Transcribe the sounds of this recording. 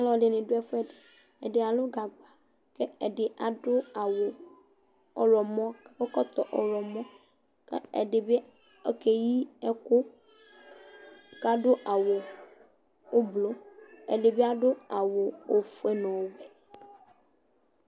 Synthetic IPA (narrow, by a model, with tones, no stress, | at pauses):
a˦lɔ˨˦le˨nẽ˨ɖo˦ɛ˦fɛ˦de˨ | e˨dɪ˨a˨lo˦ɡa˨ɡ͡ba˨ | ke˦ɛ˨ɖɪ˨ʔa˨dʊ˦a˨wo˨ | ɔ̰˨ɾɔ˨mɔ̃˦ko˦kɔ˦t̪ɔ˨ʔɔ˨ɾɔ˨mɔ̃˦ | kḛ˦ɛ̰˨ɖɪ˨be˦ | ke˨ji˦ɛ˦ko˦ | ka˦ɖʊ˦ʔa˨wo˨ | o˦blo˦ɛ̰˨ɖe˨be˦a˦ɖʊ˦a˨wo˨o˨fe˦nɔ̃˨wwɛ˨